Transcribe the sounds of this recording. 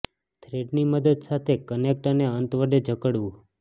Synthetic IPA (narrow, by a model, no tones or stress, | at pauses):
t̪ʰɾeɖniməd̪əd̪sat̪ʰekənek̚ʈəneənt̪ʋəɖed͡ʒʱəkəɽʋũ